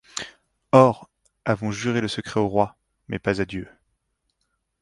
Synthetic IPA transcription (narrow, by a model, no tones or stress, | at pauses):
ɔʁ | avɔ̃ʒyʁeləsəkχɛoʁwa | mɛpazad̪jø